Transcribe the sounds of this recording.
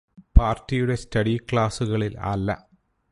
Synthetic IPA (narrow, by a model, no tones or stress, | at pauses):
paːrtːijuɽe̞stɐɽikɭaːsuɣɐɭila̰ːlːɐ̰